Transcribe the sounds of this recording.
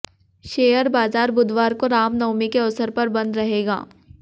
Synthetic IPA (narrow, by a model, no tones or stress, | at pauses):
ʃeːjəɾbaːzaːɾbʊd̪ʱʋaːɾkoɾaːmnɐʊmikeɐsəɾpɐɾbɐ̃nd̪ɾɐɦeːɡa̰ː